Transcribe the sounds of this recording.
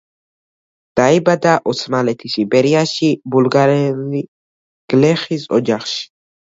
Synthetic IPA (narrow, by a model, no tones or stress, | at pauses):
d̪̥aibad̪aʔɔsʰmalɛt̪ʰisibɛɾiaʃibulɡaɾɛli | ɡ̥lɛχisɔ̰d͡ʒaχʃi̥